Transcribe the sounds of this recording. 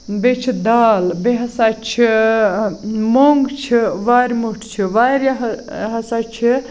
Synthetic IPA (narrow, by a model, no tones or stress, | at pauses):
bet͡ʃʰid̪aːlbeɦɐsaːt͡ʃʰi | moŋɡt͡ʃʰiʋaːɾʲmuʈʰt͡ʃʰiʋaːɾaɦɦɐsat͡ʃʰi